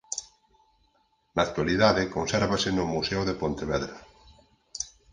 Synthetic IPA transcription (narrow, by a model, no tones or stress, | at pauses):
naːk̚t̪waliðaðɪkonsɛɾβasɪnʊmusɛoðepont̪eβɛðɾɐ